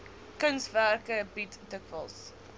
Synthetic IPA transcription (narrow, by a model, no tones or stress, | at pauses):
kənsværkəbitdəkvəlˠs